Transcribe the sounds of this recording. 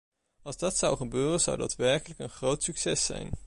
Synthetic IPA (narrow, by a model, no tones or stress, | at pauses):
ɑlˠzdɑtsʌwχəbøːrənzʌ̰wda̰ːtʋɛɹkələkənχrowtsyksɛsɛ̰jn